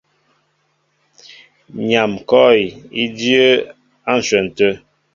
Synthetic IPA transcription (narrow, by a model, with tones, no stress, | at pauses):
ɲa˨mkɔ˦i˨i˦djə˦ | a˦˨n̩˨swə˨n̩˨tə˦